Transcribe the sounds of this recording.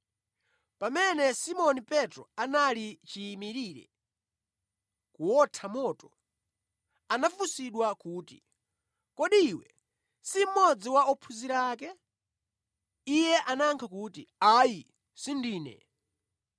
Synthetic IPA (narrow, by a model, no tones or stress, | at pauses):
pamɛnɛsimɔnipɛtɾɔanalit͡ʃiːmiɾiːɾɛ̰ | kuwɔtʰamɔːtɔ | anaffusiɗwakuːtḭ | kɔɗiːwɛ | sim̩mɔd͡ziwaɔpʰuziɾaːkɛ | ijɛʔanaŋkʰakutiaji | sindiːnɛ̰